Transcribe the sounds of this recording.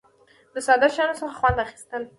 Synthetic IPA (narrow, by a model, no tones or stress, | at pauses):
d̪əsɑd̪aʃɑnosəxaxwand̪axi̥st̪əl